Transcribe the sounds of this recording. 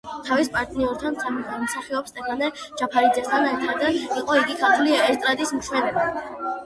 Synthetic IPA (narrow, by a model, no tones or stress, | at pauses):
t̪ʰavispʼaɾt̪ʼniuɾt̪ʰansʰamiχalmsaχiɔpst̪ʼʰɛkʰanɛd͡ʒapʰaɾid̪zɛst̪ʰanɛɾt̪ʰaɾd̪aiqʼɔiɡikʰaɾt̪ʰliɛst̪ʼɾad̪ismʃwɛnɛba